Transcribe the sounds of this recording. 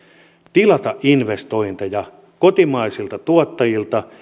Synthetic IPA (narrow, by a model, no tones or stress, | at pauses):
t̪ilɑt̪ɑʔʔinʋest̪o̞int̪ɑjɑ | kot̪imɑisilt̪ɑt̪uot̪ːɑjilt̪ɑ